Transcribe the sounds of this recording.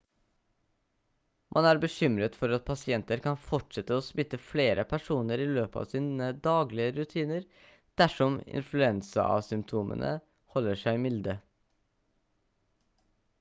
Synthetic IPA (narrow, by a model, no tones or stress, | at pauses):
mʔɑnæːɾbəçʏmɾət̪fɔɾɑt̪̚pʰɑsɪɛnt̪əɾkʰɑnfɔʈʂɛt̪əoːsmɪt̪ːəfleːɾʔəpʰæʂuːnəɾiːløːpɑ̰ːʋsiːnəd̪ɑːɡlɪəɾʉt̪ʰiːnəɾ | d̪̥æʂɔmɪ̰nflʉɛnsə̰ɑ̰sʏmpt̪ʰuːmʔə̰nʔə̰ | hɔlːəʂæɪmɪld̪ə